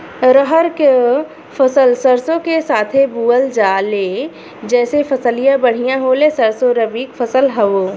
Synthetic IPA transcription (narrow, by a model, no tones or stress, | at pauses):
ɾəɦəɾke | fɐsəlsəɾsõkesaːt̪ʰebuːəld͡ʒaːle | d͡ʒɛːsefɐsəlijãbɐɽ̤ijãɦoːlesəɾsoɾɐbiːkfʰɐsəlɦɐʋoː